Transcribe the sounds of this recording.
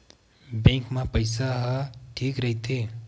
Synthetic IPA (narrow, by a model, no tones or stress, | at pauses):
bɛ̃ːŋkmãpəɪsaɦəʈʰiːkɾɐɦit̪eː